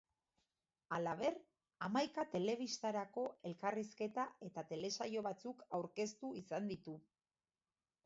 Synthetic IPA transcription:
alaβ̞e̞ɾ | amajkat̪e̞le̞β̞ist̪aɾako̞e̞lkariske̞t̪ae̞t̪at̪e̞le̞sajo̞βat͡sukawɾke̞st̪uisand̪it̪u

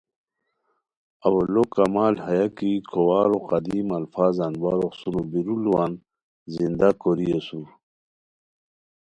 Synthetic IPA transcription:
ɐwɐlokɐmaːlhɐjakikʰowaːɾoqɐd̪imɐlfaːzanbaɾoxsunubiɾuluwan | zind̪akoɾiesuɾ

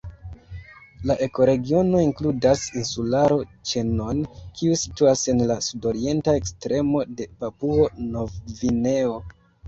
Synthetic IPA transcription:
laʔe̞ko̞ɾe̞ɡio̞no̞iŋkludasinsulaɾo̞t͡ʃe̞no̞nkiusi̥tuase̞nlasudo̞ɾie̞ntae̞kstɾe̞mo̞de̞papuonovine̞o̞

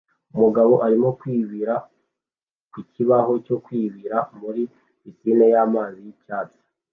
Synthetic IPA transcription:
umuɡaβo̞ʔaɾimo̞kwiːβiɾa | kwiciβaho̞co̞kwiːβiɾamuɾi | isinejaːmaːzijicaːtḁ

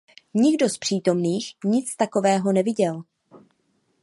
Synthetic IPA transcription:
ɲɪɡdo̞spr̝̥iːt̪o̞mniːxɲɪt͡st̪ako̞vɛːɦo̞nɛvɪɟɛl

